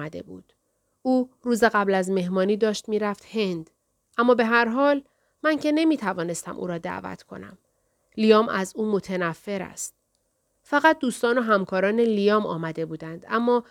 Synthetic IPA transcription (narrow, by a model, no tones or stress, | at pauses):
æd̪e̞̰bṵːd̪̥ | ʔuːɾuːzeɣæblæzme̞ɦmɒːniːd̪ɒːʃt̪miːɾæft̪he̞nd̪̥ | ʔæmːɒːbe̞ɦæɾɦɒːl | mæŋcʰe̞ne̞miːt̪ʰævɒːne̞st̪æ̰mʔṵːɾɒːd̪æ̰ːvæ̰t̪ʰkʰo̞̰næ̰m | lijɒːmʔæzuːmo̞t̪ʰenæfːe̞ɾæ̰st̪̚ | fæɣæt̪̚ʰd̪uːst̪ɒːnoɦæmkʰɒːɾɒːne̞lijɒːmɒ̰ːmæd̪e̞buːd̪ænd̪̥æmːɒː